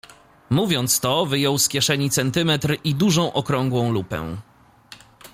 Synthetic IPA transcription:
muvʲjɔnt̪st̪ɔvɘjɔwskʲɛʂɛɲit̪sɛnt̪ɘmɛt̪ɾʔid̪uʐɔ̃w̃ʔɔkɾɔŋɡwɔ̃w̃lupɛ̰̃

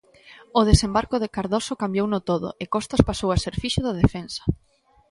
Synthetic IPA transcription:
ʊð̞esembaɾkoðekaɾðosokambjownʊt̪oðʊ̰ekɔst̪ɐspasowaseɾfiʃʊðað̞efensɐ̥

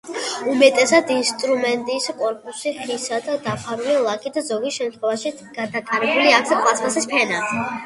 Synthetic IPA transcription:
umɛt̪ʼɛsad̪inst̪ʼɾumɛnt̪ʼiskʼɔɾpʼusiχʰisad̪ad̪apʰaɾulilˠakʰʼid̪azɔɡisʃɛmt̪ʰχwɛvaʃi | ɡ̥ad̪ak̪ʼaɾɛbuliakʰsaqʼwasχasispʰɛnat̪ʰ

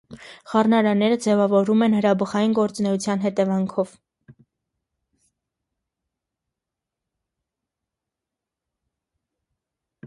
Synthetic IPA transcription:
χɑrnɑɾɑnɛɾəd͡zɛvɑvɔɾumɛnhəɾɑbəχɑjinɡɔɾt͡sunɛut͡sʰjɑnɦɛt̪ɛvɑŋkʰɔv

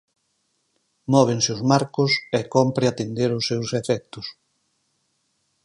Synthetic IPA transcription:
mɔβeŋsɪʊzmaɾkʊsɛkɔmpɾeat̪end̪eɾʊsːewsefɛk̚t̪ʊs

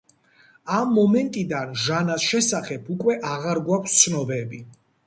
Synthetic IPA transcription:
amːɔmɛnt̪ʼid̪anʒanasʃɛsaχɛbʰukʼwɛʔaʁaɾɡwakʷʰst̪sʰnɔbɛbi

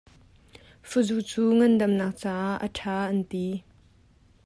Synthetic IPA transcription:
fuzuʔt͡suːŋɐndɐmnɐːk̚t͡saːʔə̰ʈʰaːʔɐnt̪i

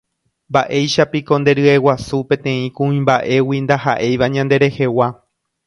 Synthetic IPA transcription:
mbaʔe̞jʃapiko̞nd̪e̞ɾɨe̞wasupẽ̞t̪ẽ̞ĩkũĩmbaʔe̞wind̪aɦaʔe̞jʋaɲãnd̪e̞ɾe̞he̞wa

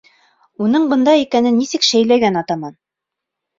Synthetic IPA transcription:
unɤɴbɤ̆nd̪ɑikænɘnːisɘkʃæjlæjɡænɑt̪ɑmɑn

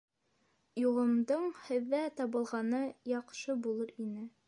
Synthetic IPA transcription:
juʁˠɤ̆md̪ɤɴhɘ̆ðːæt̪ɑβɤ̆lˠʁɑnɤjɑqʃɤbulˠɤɾinɘ

